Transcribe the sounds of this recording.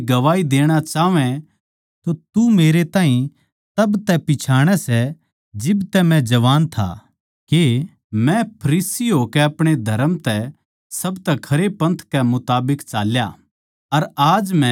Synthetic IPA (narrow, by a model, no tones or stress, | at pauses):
ɡɐʋaːid̪eːɽ̃at͡ʃaːʋɛ̃ | t̪ot̪umeːɾet̪ãːɦĩ | t̪ɐbt̪ɛpɪt͡ʃʰaːɽ̃ɛsɛ | d͡ʒɪbt̪ɛmɛ̃d͡ʒɐʋaːnt̪ʰa̰ | ke | mɛ̃pʰɐɾiːsiɦoːkɛɐpɽ̃ed̪ʱɐɾəmt̪ɛ | sɐbt̪ɛkʰɐɾepɐ̃nt̪ʰkɛmʊt̪aːbɪkt͡ʃaːlja | ɐɾaːd͡ʒmɛ̃